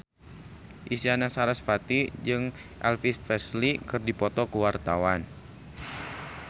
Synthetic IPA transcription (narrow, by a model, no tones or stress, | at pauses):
ʔisianasaɾasfat̪id͡ʒɨŋ | ʔɛ̰lfis̚fɛslikɨrdipɔt̪ɔkəwart̪awan